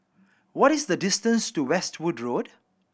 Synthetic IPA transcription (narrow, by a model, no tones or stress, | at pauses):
wɔɾɪsdədɪstə̃nstuwɛstʰwudɹod